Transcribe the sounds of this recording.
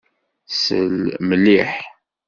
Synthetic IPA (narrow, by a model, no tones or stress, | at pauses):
sə̰lməlːiħ